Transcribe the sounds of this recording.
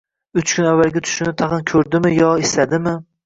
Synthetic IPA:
ʊt͡ʃkʲʰʊnavːalɡʲat̪ʰʊ̥ʃɪnɪt̪ʰɑχɨnkʲʰɵɾd̪ɪmɪjɒeslad̪ɪmɪ

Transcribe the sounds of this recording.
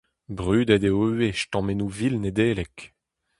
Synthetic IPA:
bʁyːd̪ɛd̪eøweʃtɑ̃menuvilned̪eːlɛk

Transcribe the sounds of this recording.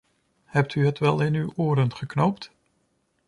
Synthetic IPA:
hɛp̚tʰyɦətʋɛlˠɪnywoːɾənχəknowpt

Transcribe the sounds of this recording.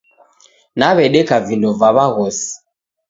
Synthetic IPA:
naβɛɗɛkavindɔvaβaɣɔsi̥

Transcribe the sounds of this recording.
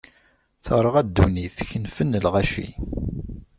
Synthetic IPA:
θəɾˤəʁæd̪ːuniθçənfənːəlʁaʃḭ

